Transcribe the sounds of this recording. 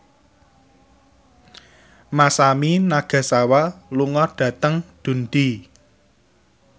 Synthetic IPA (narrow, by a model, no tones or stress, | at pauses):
masaminaɡ̥a̤sawaluŋɔɖ̥ä̤t̪əŋd̪̥ṳnd̪̥i